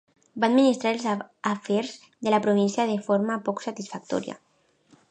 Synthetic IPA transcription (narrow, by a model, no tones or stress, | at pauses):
baːd̪minist̪ɾaɾelzafɛɾz | ðelapɾoβ̞insjað̞efoɾmapɔksat̪isfak̚t̪ɔ̰ɾia̰